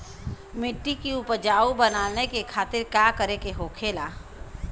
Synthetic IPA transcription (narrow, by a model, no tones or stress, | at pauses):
mɪʈːikiʊpəd͡ʒaːubənaːnekekʰaːt̪ɪɾkaːkəɾekeɦoːkʰeːlaː